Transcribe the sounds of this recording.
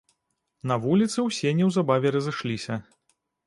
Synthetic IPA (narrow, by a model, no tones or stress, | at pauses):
nɐvulʲit̪sɨwsʲɛnʲɛwzabavʲɛɾɐzɨʂlʲisʲɐ